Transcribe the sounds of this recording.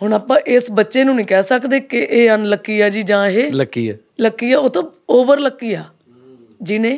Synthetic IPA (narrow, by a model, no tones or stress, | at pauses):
hʊɳaːpãːʔɪsbətːʃeːnũːnĩːkɛːsəkd̪eːkɪʔeːənləkːiːaːd͡ʒiːd͡ʒãːɦeːləkːḭːɛ̰ː | ləkːiːɛːoːt̪ãːoːbəɾləkːiːjaː | d͡ʒinẽː